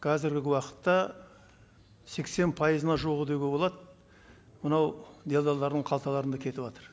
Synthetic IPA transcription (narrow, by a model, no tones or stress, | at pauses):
qʰɑzɪɾɡʲɪɡʲɪwɑqə̥t̪ːɑ | se̞kse̞npʰɑjəzənɑʒoʁəd̪ewɡʲebo̞lˠɑd̪ | mənɑwd̪e̞lˠd̪ɑlˠːɑɾd̪əɴqʰɑlˠt̪ɑlˠɑɾənd̪ɑkʲʰe̞t̪ɪpwɑt̪əɾ